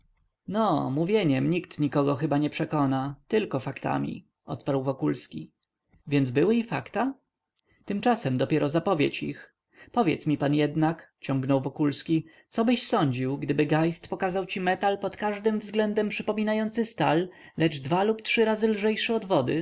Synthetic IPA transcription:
nɔmuvʲjeɲɛmɲikt̪ɲikɔɡɔxɘbaɲɛpʂɛkɔnat̪ɘlkɔfakt̪a̰mʲḭ | ʔɔ̰t̪paɾwvɔkulskʲi | vʲjɛndzbɘwɘifakt̪a | t̪ɘmt͡ʂasɛmd̪ɔpʲjɛɾʔɔzapɔvʲjet͡ɕḭx | pɔvʲjɛ̰t̪smʲipanjɛd̪nakt͡ɕɔ̃ŋɡnɔwvɔkulskʲi | t̪sɔbɘɕsɔɲd͡ʑiwɡd̪ɘbɘɡajst̪pɔkazawt͡ɕimɛt̪alpɔt̪kaʐd̪ɘmvzɡlɛnd̪ɛmpʂɘpɔmʲinajɔnt̪sɘst̪al | lɛd͡ʐd̪valuptʂɘɾazɘlʐɛjʂɘɔd̪vɔd̪ɘ

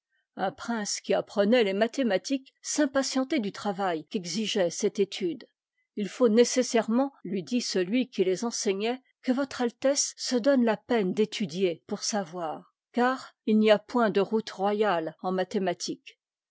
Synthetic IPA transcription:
ɛ̃pχɛ̃skʲiapχənɛlemat̪emat̪ik | sɛ̃pasjɑ̃t̪ed̪yt̪χavajkʲɛɡziʒɛsɛt̪et̪ʰyd̪ | ilfonesesɛʁmɑ̃lɥid̪isəlɥikʲilezɑ̃sɛɲɛ | kəvɔt̪χalt̪ɛsːəd̪ɔnlapɛnd̪et̪ʰyd̪jepuʁsavwaːʁ | kaːʁilniapwɛ̃d̪əʁut̪ʁwajalɑ̃mat̪emat̪ʰik

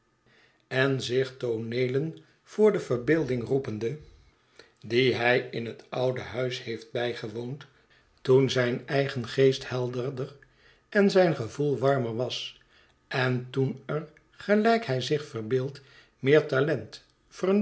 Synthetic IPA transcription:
ɛnzɪχtonejlən | v̥ʊːɹdəvəɹbɪːlˠdɪŋrupəndə | diɦɛjɪnɦətɑwdəɦœɥshejfd̚bɛjχəʋownt | tunzɛjnɛjχənχejsthɛlˠdərdər | ɛnzɛjnχəvulˠʋɑɹməɹʋɑs | ʔɛntunər | χəlɛjkhɛjzɪχfərbɪːlˠt | mɪːɹtalɛnt | fər

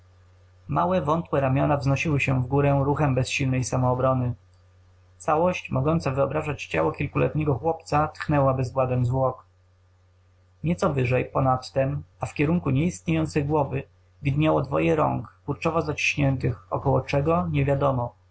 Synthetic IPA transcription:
mawɛvɔnt̪wɛɾamʲjɔnavznɔɕiwɘɕɛvɡuɾɛɾuxɛmbɛsɕilnɛjsamɔːbɾɔnɘ | t̪sawɔɕt͡ɕmɔɡɔnt̪savɘɔbɾaʐat͡ɕt͡ɕa̰wɔkʲilkulɛ̰t̪ɲɛɡɔxwɔpt̪sat̪xnɛwabɘzɡwad̪ɛmzvwɔk | ɲɛt̪sɔvɘʐɛjpɔnat̪ːɛmafkʲɛɾuŋkuɲɛist̪ɲejɔnt̪sɛjɡwɔvɘ | vʲid̪ɲawɔd̪vɔ̰jɛɾɔ̰ŋkkuɾt͡ʂɔvɔzat͡ɕi̥ɕɲɛnt̪ɘxɔ̰kɔwɔt͡ʂɛɡɔɲɛvʲjad̪ɔmɔ

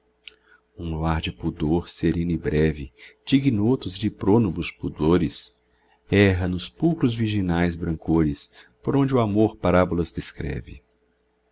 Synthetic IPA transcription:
ũluaɾd͡ʒɪpud̪oɾseɾẽnɪbɾɛvɪ̰d͡ʒiɡinot̪ʊzd͡ʒɪpɾonobʊspud̪oɾɪs | ɛɦɐnʊspuwkɾʊzviɾʒinajzbɾɐ̃ŋkoɾɪspoɾõd͡ʒɪʊamoɾpaɾabulɐzd̪eskɾɛ̰vɪ̰

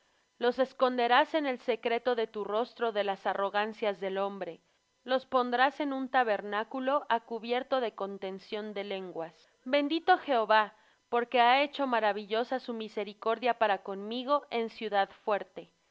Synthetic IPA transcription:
lo̞se̞sko̞nd̪e̞ɾase̞ne̞lse̞kɾe̞t̪o̞ðe̞t̪uro̞st̪ɾo̞ðe̞lasaro̞ɣansjazðe̞lo̞mbɾe̞ | lo̞spo̞nd̪ɾase̞nũnt̪aβe̞ɾnakulo̞ʔakuβje̞ɾt̪o̞ðe̞ko̞nt̪e̞nsjond̪e̞le̞ŋɡwas | be̞nd̪it̪o̞xe̞oβa | po̞ɾke̞ae̞t͡ʃo̞maɾaβ̞iʝo̞sasumise̞ɾiko̞ɾðjapaɾako̞nmiɣo̞ʔe̞nsjuðaðfwe̞ɾt̪e̞

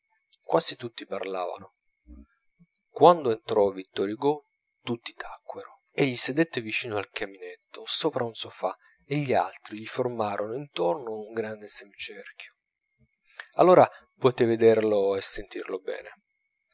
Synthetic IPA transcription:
kwʔasit̪ut̪ːiparla̰ːva̰no | kwand̪oent̪ɾɔavːit̪ːɔɾjiɡɔ | t̪ut̪ːit̪ʰakːweɾo | eʎːised̪et̪ːevit͡ʃiːnoalkaminet̪ʰːosoːpɾaunsofa | eʎːia̰lt̪ɾiʎiformaːɾonoint̪ɔrnouŋɡɾand̪esemt͡ʃɛrkjo̥ | a̰lːoːɾapɔt̪eved̪erloesːent̪irlobɛ̰ːne

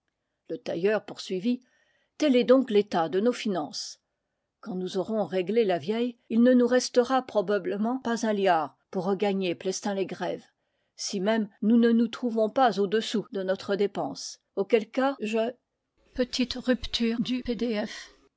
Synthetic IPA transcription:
lət̪ajœʁpuʁsɥivi | t̪ɛlɛd̪ɔ̃klet̪ad̪ənofinɑ̃s | kɑ̃nuzɔʁɔ̃ʁeɡlelavjɛjilnənuʁɛst̪əʁapχɔbabləmɑ̃pazɛ̃ljaːʁ | puʁːəɡaɲeplɛst̪ɛ̃leɡʁɛv | simɛmnunənut̪χuvɔ̃pazod̪əsud̪ənɔt̪χəd̪epɑ̃s | okʲɛlkaʒə | pət̪ʰit̪ʁypt̪yːʁd̪yped̪eɛf

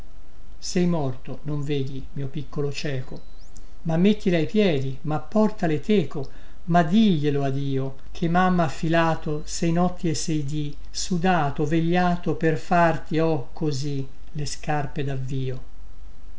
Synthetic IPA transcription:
sɛjmɔrt̪onoɱveːd̪imiːopikːolot͡ʃɛːko | mamːet̪ːileajpjɛːd̪imapːɔrt̪alet̪eːko | mad̪iʎːeload̪iːo | kʰemamːafːilaːt̪o | sɛjnɔt̪ːiesːɛjd̪i | sud̪aːt̪oveʎːaːt̪operfart̪iɔkʰːozi | leskarped̪avːiːo

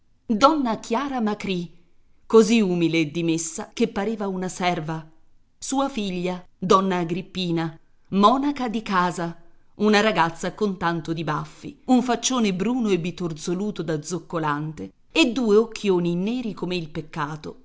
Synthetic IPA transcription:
d̪ɔnːakjaːɾamakɾi | koziumileːd̪ːimesːakepːaɾeːvaunasɛrva | suːafiʎːad̪ɔnːaːɡɾipːiːna | mɔːnakad̪ikaːza | unaɾaɡat̪sːakont̪ant̪od̪ibafːḭuɱfat͡ʃːoːnebɾuːnoebit̪ord̪zoluːt̪od̪ad̪zokːolant̪e | ed̪ːuːeok̟ʰːjoːninɛːɾikomeilpekːaːt̪o

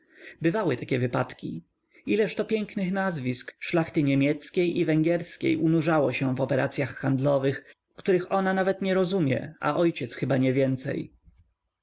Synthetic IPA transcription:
bɘvawɘt̪akʲɛvɘpat̪kʲḭ | ilɛʂt̪ɔpʲjɛŋknɘxnazvʲiskʂlaxt̪ɘɲemʲjɛt̪skʲejʔivɛŋɡʲjɛɾskʲḛjʔunuʐawɔɕɛvɔpɛɾa̰t̪sʲjaxːand̪lɔvɘx | kt̪uɾɘxɔnanavɛt̪ɲɛɾɔzumʲjɛ̰ʔa̰ʔɔjt͡ɕɛt̪sxɘbaɲɛvʲjɛnt̪sɛ̰j

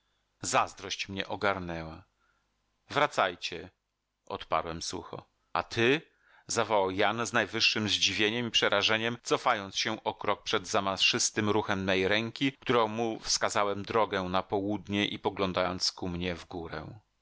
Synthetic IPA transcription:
zazd̪ɾɔɕt͡ɕmɲɛʔɔɡaɾnɛwa | vɾat̪sajt͡ɕɛ | ʔɔ̰t̪pa̰ɾwɛmsṵxɔ̰ | at̪ʰɘ | zavɔwawjanznajvɘʂːɘmzd͡ʑivʲjeɲɛmipʂɛɾaʐɛɲɛmt̪sɔfajɔnt̪sɕɛʔɔkɾɔk̚pʂɛd̪zamaʂɘst̪ɘmɾuxɛmːɛjɾɛŋkʲikt̪uɾɔ̃w̃mufskazawɛmd̪ɾɔɡɛnapɔwud̪ɲɛʔipɔɡlɔnd̪ajɔnt̪skumɲɛvɡuɾɛ̰̃

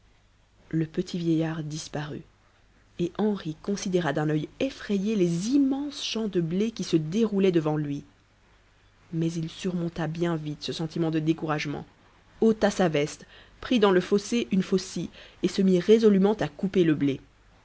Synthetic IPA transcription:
ləpət̪ʰivjɛjaʁd̪ispaʁy̰ | eʔɑ̃ʁikɔ̃sid̪eʁad̪ɛ̃nœjefχejelezimɑ̃sʃɑ̃d̪əblekʲisəd̪eʁulɛd̪əvɑ̃lɥi | mɛzilsyʁmɔ̃t̪abjɛ̃vit̪səsɑ̃t̪ʰimɑ̃d̪əd̪ekuʁaʒmɑ̰̃ | ot̪asavɛst̪ | pχid̪ɑ̃ləfoseʔynfosiesəmiʁezɔlymɑ̃t̪akupeləble

